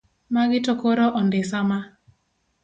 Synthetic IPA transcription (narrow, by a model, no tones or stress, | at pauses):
maɡɪtokoɾoʔɔndɪsama